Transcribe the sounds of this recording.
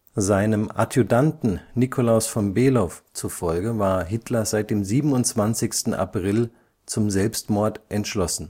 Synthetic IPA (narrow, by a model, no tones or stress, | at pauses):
zaɪnəmʔa̰tʰjudantn̩nikʰolaʊsfɔnbeːlɔft͡sufɔlɡəvaːɐɦɪtʰlɐzaɪt̚d̥eːmziːbm̩n̩ʊnt͡sv̥ant͡sɪçstn̩ʔa̰pʁ̥ɪl | t͡sʊmzɛlpstmɔɐtʔɛntʃlɔsn̩